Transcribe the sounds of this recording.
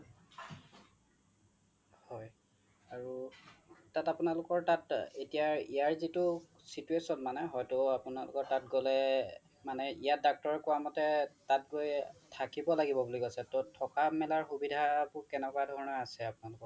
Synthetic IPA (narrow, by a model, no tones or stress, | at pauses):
hɔj | aɹu | tatapʊnalʊkɔɹtatetijaɹijaɹzitʊ | situesɔnmanɛɦɔjtʊapʊnalʊkɔɹtatɡɔlɛ | manɛijat̚dak̚tɔɹɛkʊamɔtɛtat̚ɡojtʰakibɔlaɡibɔbulikosɛtɔtʰɔkamɛlaɹxubidʱabʊkɛnɛkɔadʱɔɹnɔasɛapunalʊkɔɹ